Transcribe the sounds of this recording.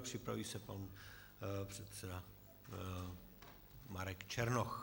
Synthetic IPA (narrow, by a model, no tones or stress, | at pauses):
pr̝̥ɪpɾa̰viːsɛpan | pr̝̥ɛt̪sɛda | maɾɛkt͡ʃɛɾnox